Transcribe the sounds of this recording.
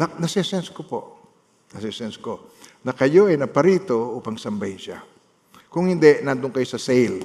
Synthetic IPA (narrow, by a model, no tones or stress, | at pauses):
ɐnɐsɛsɛnskopo̰ʔ | nɐsɛsɛnskonɐkɐjo̞ʔɐjnɐpɐɾiːt̪o̞ʔuːpɐŋsɐmbajʃa̰ | kʊŋhɪnd̪ɛʔnand̪ʊŋkɐjo̞sɐsɛjl